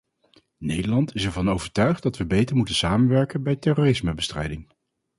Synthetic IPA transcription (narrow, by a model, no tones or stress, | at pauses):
nejdəlɑntɪsɛɹvɑnowvəɹtœɥχt̚dɑtʋəbejtəɹmutəsaːmənʋɛɹkənbɛjtɛroːrɪsməbəstrɛ̰jdɪŋ